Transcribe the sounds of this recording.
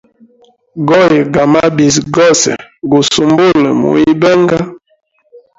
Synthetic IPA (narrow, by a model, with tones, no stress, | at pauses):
ɡɔ˦je˨ɡa˨ma˦bi˨s̬ɡɔ˦˨sɛ̰˨ɡu˨su˨mbo˦˨lə˨mṵ˨i˦bɛ˦ŋ˦ɡa˦